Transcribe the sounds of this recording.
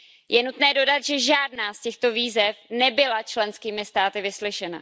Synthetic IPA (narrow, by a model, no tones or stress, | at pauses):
jʔɛnut̪nɛːdo̞dat̪ʒɛʒaːdnaːscɛxt̪o̞viːzɛfnɛbɪlat͡ʃlɛnskiːmɪst̪aːt̪ɪvɪslɪʃɛna̰